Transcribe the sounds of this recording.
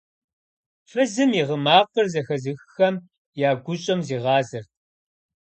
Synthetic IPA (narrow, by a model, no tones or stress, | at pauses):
ɕʷɐzɨmiʁəmaːqɐrzɐxɐzɨxxɐm | jaːɡʷʊɕʼɐmziːʁɑːzɨrt̚ʰ